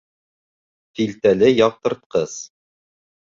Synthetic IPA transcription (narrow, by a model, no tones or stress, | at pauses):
filt̪ælɘjɑq̚t̪ɤ̆ɾt̪̚qɤs